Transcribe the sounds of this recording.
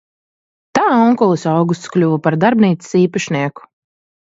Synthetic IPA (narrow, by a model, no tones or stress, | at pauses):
t̪aːɔŋkɔlˠɨsawɡust̪sklʲuːvapaɾd̪aɾbniːt̪ssiːpaʃniɛku̥